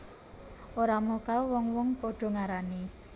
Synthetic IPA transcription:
oɾamɔkawɔŋwɔŋpoɖ̥ɔ̤ŋaɾani

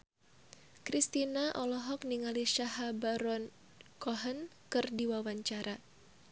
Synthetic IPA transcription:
kɾist̪inaʔɔlɔɦɔk̚niŋaliʃaɦabaɾɔn | kɔɦənkɨrdiwawaɲt͡ʃaɾa

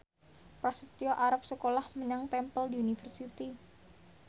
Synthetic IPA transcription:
pɾasit̪ioʔaɾap̚səkolahməɲaŋt̪ɛmpəldiunifərsit̪i

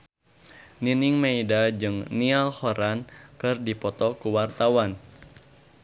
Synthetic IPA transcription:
niniŋmeidad͡ʒɨŋnialhɔɾankɨrdipɔt̪ɔkuwart̪awan

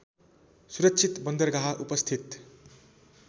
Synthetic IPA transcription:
suɾʌtːsʰit̪bʌnd̪ʌrɡaɦaʔupʌst̪ʰit̪

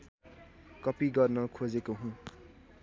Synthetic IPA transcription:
kʌpiɡʌrnʌkʰod͡zekoɦũ

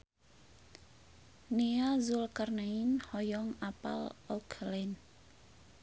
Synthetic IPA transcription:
niazulkarnainhɔjɔŋapa̰lɔkʰlɛn

